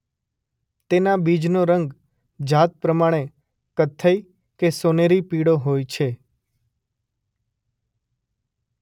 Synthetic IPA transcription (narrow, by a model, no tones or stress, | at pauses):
t̪enabid͡ʒnoɾəŋɡ | d͡ʒat̪̚pɾəmaɽ̃e | kət̪ʰːəj | kesoneɾipiɽoɦojt͡ʃʰe